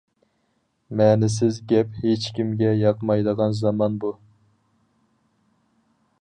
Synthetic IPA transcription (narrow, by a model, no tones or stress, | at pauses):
mɛːnɪs̬ɪzɡʲɛphet͡ʃkʲʰimɡʲɛjɑqmɑjd̪əʁɑnzɑmɑnbu